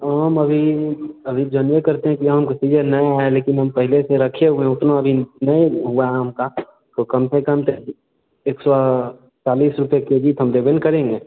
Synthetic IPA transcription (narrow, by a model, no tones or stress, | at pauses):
ɦəmɐbʱiɐbʱid͡ʒənʋekɐɾt̪eɦɛ̃kiaɦəmkesiːd͡ʒenɐjaːeleːkɪnɦəmpɛɦɪleseɾɐkʰeɦuẽʊt̪noɐbʱinɐeɦʊaɦɛɦɐmka | t̪okɐmsekɐmt̪e | eːksɔ | t͡ʃaːliːsɾʊpjeked͡ʒiːt̪ɦəmd̪ebenkəɾẽːŋɡeː